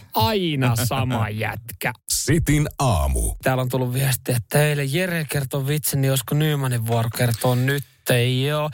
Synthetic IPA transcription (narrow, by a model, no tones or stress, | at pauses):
ɑinɑsɑmɑjæ̰t̪kæsit̪inɑ̰ːmṵt̪æːlːont̪ulːuʋʋiæst̪iæt̪ːeilːejjerekert̪oːʋit̪sennioskonyːmæneʋʋuorokert̪oːnnyt̪ːeioː